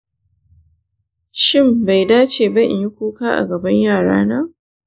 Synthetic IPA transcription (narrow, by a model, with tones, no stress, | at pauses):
ʃɪ˦mba˨jdaː˦t͡ʃeː˨bɐ˦ʔɪ̰˨jɪ˦kʷuː˦kaː˦ʔa̰˨ɡɐ˨bɐ˦ɲjaː˦˨ɽa̰ː˦naː˦